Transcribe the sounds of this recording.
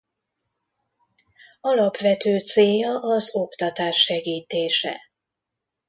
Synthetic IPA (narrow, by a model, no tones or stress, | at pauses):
ɒlɒpʋɛt̪øːt̪seːjɒʔɒzo̞kt̪ɒt̪aːʃːɛɡiːt̪eːʃɛ̰